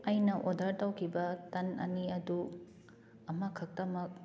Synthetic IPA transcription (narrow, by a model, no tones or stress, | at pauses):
ɐjnɐʔodʱaɾtɐwkʰibɐtɐnɐ̰niɐdu | ɐmɐkʰɐk̚tɐmɐk̚